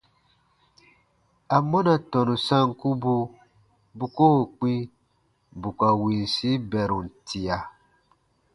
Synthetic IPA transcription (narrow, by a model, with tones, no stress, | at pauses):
a˨mɔ˦na˨tɔ˨nũ˨sã˦ŋku˦bu˦ | bu˨˦ko˦ho˨k͡pi˦ | bu˨ka˨wĩ˨n˨si˦bɛ˨ɾu˨n̩˨tʰi˨a˨